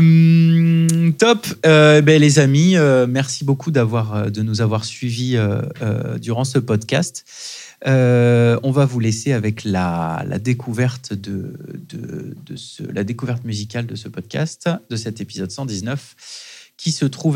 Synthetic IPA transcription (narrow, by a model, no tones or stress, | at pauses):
t̪ɔpøebɛlezamiømɛʁsibokʰud̪avwaʁød̪ənuzavwaʁsɥiviø̰ː | d̪yʁɑ̃səpɔd̪kʲast̪ | øɔ̃vavuleseavɛkla̰la̰d̪ekʰuvɛʁt̪d̪əd̪ə̰d̪ə̰sə̰lʔa̰d̪ekuvɛʁt̪myzikʲald̪əsəpɔd̪̥̚kʲa̰st̪d̪əsɛt̪epizɔd̪sɑ̃d̪iznœf | kʲʰisət̪χuv